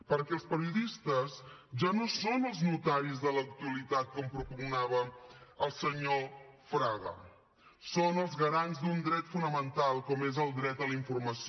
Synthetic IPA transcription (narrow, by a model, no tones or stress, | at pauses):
pəɾkɛəlˠspəɾiuðist̪əsʒanosonəlˠznut̪aɾizðələk̚t̪uəlit̪at̪̚kɔmpɾupuŋnaβ̞əəlˠsəɲofɾaɣə̰ | sonəlˠzɣəɾanzd̪und̪ɾɛt̪funəmənt̪alˠkɔmezəlˠd̪ɾɛt̪ələiɱfurməsi